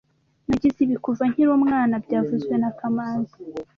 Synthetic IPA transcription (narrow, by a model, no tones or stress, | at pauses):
naɟiziβikuvaŋ̥hiɾomŋaːnabɟaːvuzwe̞nakamaːnza